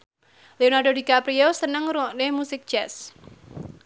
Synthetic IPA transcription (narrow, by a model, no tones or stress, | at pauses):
leonarɖodikapɾiosənəŋɾuɔʔnemusɪk̚d̥ʒ̥ɛs